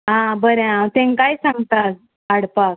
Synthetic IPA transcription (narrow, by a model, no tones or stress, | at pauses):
ɦãbəɾẽãt̪ẽŋkajsãŋɡt̪at̪̚ | aɽpak̚